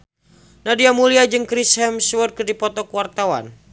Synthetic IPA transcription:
nadiamuliad͡ʒɨŋkɾishɛmswərd̚kərdipɔt̪ɔkuwart̪awa̰n

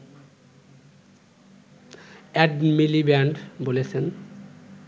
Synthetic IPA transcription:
ɛɖmilibɛɳɖbolet͡ɕʰen

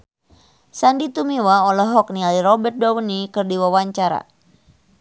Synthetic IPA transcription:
sandit̪umiwaɔlɛɦɔk̚nialiɾɔbɛrt̪̚bawənikɨrdiwawaɲt͡ʃaɾa̰

